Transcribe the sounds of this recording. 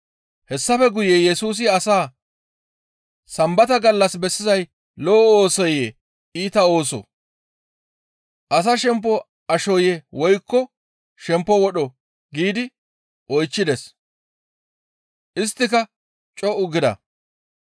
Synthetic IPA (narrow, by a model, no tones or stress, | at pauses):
hɛsːɐfɛɡʊjɛjɛsuːs̬ɪɐsaː | sɐmbɐt̪ɐɡɐlːɐsbɛsːɪzɐj | lɔːoːsɔje | iːt̪ɐo̞ːs̬ɔ̰ | ʔɐs̬ɐʃɛmp̬ːɔ | ɐʃɔjɛwɔjkːɔ | ʃɛmpːɔwɔɗɔ | ɡiːd̪ɪ | ʔɔjt͡ʃːɪd̪ɛs | ʔɪst̪ːɪkɐ | t͡ʃʼɔʔʊɡɪd̪ɐ̰